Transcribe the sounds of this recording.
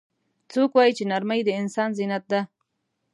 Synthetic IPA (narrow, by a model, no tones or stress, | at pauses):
t͡sokwɑjit͡ʃenaɾməjd̪əɪnsɑnzinat̪̚d̪a